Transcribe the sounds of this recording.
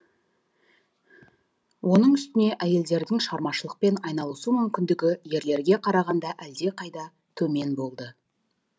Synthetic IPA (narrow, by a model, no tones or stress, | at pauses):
wʔo̞nəɴʏst̪ɪne̞ʔæje̞ld̪e̞ɾd̪ɪŋʃʁɑɾmɑʃəlˠəq̚pe̞nɑjnɑlˠəsumʏmkʲɪnd̪ɪɡʲɪje̞ɾle̞ɾɡʲe̞qʰɑɾɑʁɑnd̪ɑʔæld̪e̞qʰɑjd̪ɑ | t̪ʰɵme̞nbo̞lˠd̪ə